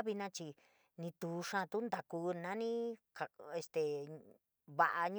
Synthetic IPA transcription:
βi˧nã˦˧t͡ʃi˧ | nĩ˧t̪u˨ʂã˦˧t̪u˦nd̪a˨ku˧nã˦nĩ˦ka˨e˧st̪e˨ | βa˧ʔa˧ɲ̃

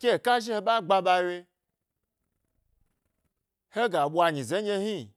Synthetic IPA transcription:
kʲe˦˨ka˦ʒi˦he˧ɓa˦ɡ͡ba˧ɓa˧we˧ | he˦ɡa˨ɓʷwa˧ɲĩ˨ze˨˦e˦hi˦˨

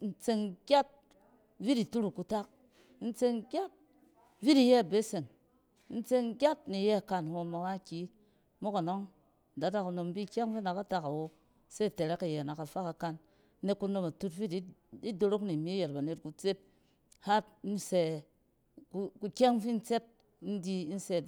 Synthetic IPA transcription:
n̩˦t͡se˧ŋɡʲa˦t̚ | vi˦ti˨tu˦ɾu˨ku˧ta˦k̚ | n̩˦t͡se˧ŋɡʲa˦t̚ | vi˦ti˧jɛ˦˨be˦se˨ŋ˦ | n̩˦t͡se˧ŋɡʲa˦t̚ni˨jɛ˦a˨ka˧n˨ho˧ma˧wa˦kʲi˨˦ | mo˦ka˨no˦ŋ˨ | da˨˦ta˦ku˧no˧m˦bi˦˨kʲe˦ŋvi˦na˨ka˦ta˦ka˨wo˧ | se˦˨te˨ɾe˦ka˨je˨na˨ka˨fa˦ka˨ka˧nː˦ | e˧˦ku˧no˧ma˨tu˦tvi˦ti˦i˦do˧ɾo˦kni˨mi˦je˨tba˨ne˨tku˨t͡se˦t̚ | ha˦tn̩˦se˨ | ku˦ku˧kʲe˦ŋ˦fi˦n̩˦t͡se˦t̚ | n̩˦di˧˦n̩˦se˧

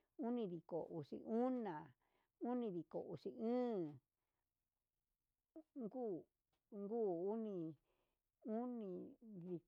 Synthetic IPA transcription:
u˦nĩ˧ði˨ko˨ʔu˨ʂḭ˧ʔu˦nã˨ | u˦nĩ˧ði˨ko˨ʔu˨ʂi˧ɨ̃ː˦ | ŋɡuː˦˨ | ŋɡuː˦u˦nĩ˧ | u˦nĩ˧ði˨

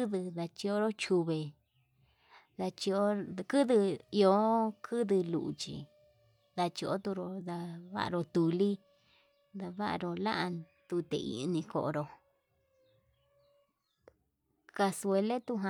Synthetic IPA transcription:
ðɨ˧ða˧t͡ʃi˧o˦ɾo˦t͡ʃu˧βe˨ | ða˧t͡ʃi˧o˦kɨ˦ðɨ˧i˧o˧˦kʰɨ˦ðɨ˧lṵ˨ʔṵ˨t͡ʃḭ˧ | ða˧t͡ʃi˧o̰˦t̪u˧ɾo˧ða˧βa̰˦a̰˧ɾo˧t̪u˨li˦ | d̪a˧βa˦ʔa̰˧ɾo˧la̰˦ʔa˧t̪u˧t̪ḛ˨˧ḭ˧nĩ˧ko̰˧ʔo̰˧ɾo˧ | ka˧swe˧le˦t̪u˦ɦa˧

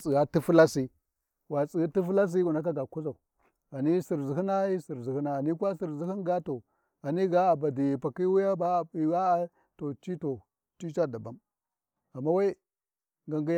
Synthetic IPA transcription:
t͡si˨a˦ti˦fu˦la˦si˦ | wa˨t͡sʼi˨˦ti˦fu˦la˦s̬i˦ɡu˨na˦ka˦ɡa˨ku˦za˨u˨ | a˨ni˦si˨ɾzi˨hi˦na˦i˦si˨ɾzi˨hi˦na˨a˨ni˦kʷa˦si˨ɾzi˦hi˦nɡa˦to˨ | a˨ni˦ɡa˦a˨ba˨di˨pa˨ki˦wi˦ja˦ba˦˨i˨wa˦a˨ | to˨t͡ʃi˦to˨ | t͡ʃi˦t͡ʃa˦da˨ba˦m | a˨mːa˦wa˦i˦ | ŋɡa˨ɡi˦j

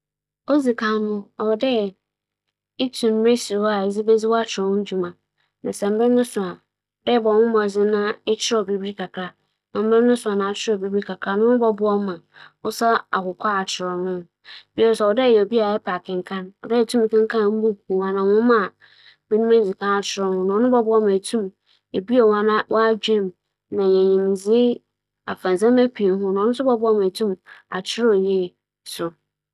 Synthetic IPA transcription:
o˦zi˨kʰã˨˦nʊ̃˦ɔ˨dɛ˦˨ | ɪ˦tʰũ˨m˦me˦si˨ɾa˨e˨zi˦be˦d͡zɪ˦wɔ˦a˦t͡ɕʰɪ˨ɾɔ˨wʊ̃˦d͡ʑu˨mã˨ | nã˨sɛ̃˨m̩˦bɛ˦nʊ̃˦sʊ˨a˨ | dɛ˦˨bɔ˨wʊ̃˦mɔ̃˨d͡zɪ˦nã˦ɛ˦t͡ɕʰɪ˦ɔ˨bi˨˦bɾi˦kʰa˨kʰɾa˨ | nã˨m˦bɾɛ̃˦nʊ̃˦sʊ˨a˨nã˨˦t͡ɕʰɪ˦ɾɔ˨bi˦bi˦kʰa˨kʰɾa˨nʊ̃˦bɔ˦bʊ˦ɔ˦mã˨ | ʊ˦sa˦a̰˨hʊ˨kʰʷa˦a˨t͡ɕʰɪ˨ɾɔ˨nʊ̃˦ | b̥ɛ˦ɾsɛ˨ɔ˨dɛ˦˨jɛ˨o˨bi˦a˨ɛ˦pʰa˨kʰɪ̃˨ŋ˨kʰã˦nɔ˨dɛ˦˨tʰũ˦m˨kʰã˦ŋ˦kʰã˦m̩˦bu˦˨wa˨nã˨wʊ̃˦mã˦˨ | mi˦nũ˦æ̃˦˨d͡zi˨kʰã˦a˨t͡ɕʰɪ˨ɾɔ˨hʊ̃˦nã˨˦ʊ̃˦bɔ˦bʊ˦ɔ˦mã˨tʰũ˦m | e˨bi˦a˨wa˨nã˦wʔa˦d͡ʑᶣɪ̃˦˨m | nã˨ɲɛ̃˨ɲĩ˨mi˨zi˦ | a̰˨fã˨n˨sã˦mæ˦pʰi˨n˦ɦʊ̃˦nã˨˦nʊ̃˦sʊ˦bɔ˦bʊ˦ɔ˦mã˨tʰũ˦ma˨t͡ɕʰɪ˦ɾɔ˨je˦˨ | sʊ˨

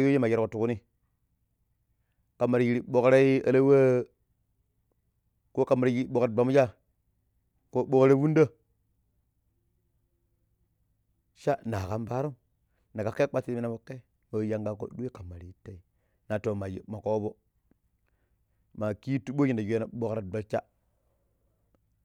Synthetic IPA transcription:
jo˦e˦ma˨je˦ko˨tu˨ku˦ni˦ | ka˨mːa˨ɾji˦ɾi˦ɓo˨kɾa˦i˦ə̰˦la˦wa˦ | ko˦ka˨mːa˨ɾi˨ji˦ɓo˨kɾbʷa˨m˦d͡ʒa˦ | ko˦ɓo˦kɾe˦wu˦nda˦ | ʃa˦na˨ka˦mba˦ɾu˦m | na˨ka˨ke˦k͡pa˦ti˦mi˦na˨bo˨kːe˦ | mo˨˦ja˨ŋɡa˨ko̰˦ɗu˦e˦ka˨ma˨ɾi˨i˦tːa˨i˦ | na˨to˨ma˨ji˨ma˨ko˦bo˦ | ma˨ki˦tu˦ɓo˦ji˨nda˨jna˨ɓo˦kɾa˦do˨lt͡ʃa˦

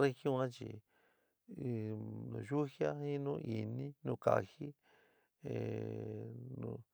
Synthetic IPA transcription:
ɾe˦xjõ˦ã˦t͡ʃḭ˨ | nũ˧˨ʒu˦xja˦hĩ˦nũ˦ʔi˨nĩ˦nũ˧ka˨xi˦ | e˨ | nũ˧

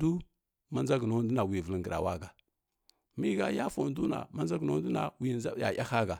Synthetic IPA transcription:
du˦ | ma˦za˦ɡno˦du˦na˨wi˨və˨lə˨ŋɡə˨ɾa̰˨wa̰˦ɡa˨ | mi˦ɡa˦ja˦fo˨n˦du˦na̰˨ma˦nza˦ɡno˦du˦na̰˨wi˨a˦ja̰˨ja˦ha˦ɡa˨

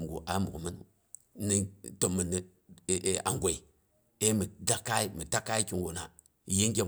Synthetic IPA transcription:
ɡṵ˨ʔa˨˦mu˨mə˦nṵ˦˨ | ni˦to˨mːə˨nːi˨ | a̰˨ŋɡʷe˨i˨ | e˦mə˨da˦ka˦i˦mə˨ta˦ka˦i˦ki˨nɡo˨na˨ | ji˦ŋ˦ɡʲe˦

